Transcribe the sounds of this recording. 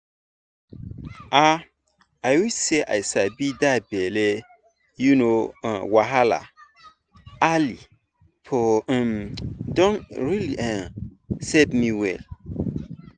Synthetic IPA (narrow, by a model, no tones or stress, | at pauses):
ʔa | ajwiseʔa̰jsabidabɛle | junõwaɦala̰ | ali | pʰõmdɔ̃nɹiliãsebmiwɛ̰l